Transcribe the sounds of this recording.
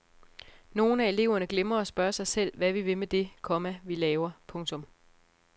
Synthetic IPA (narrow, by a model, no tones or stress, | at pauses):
no̝ːn̩æe̝le̝ʊ̰ɐnəɡ̥lemɐɒ̽sb̥ɶɐsɑ̈ɪsel̰ʋæʋiʋe̝med̥e̝kʰɒ̽mæʋilɛːʊɐpʰɔ̽ŋt͡sʰɔ̽m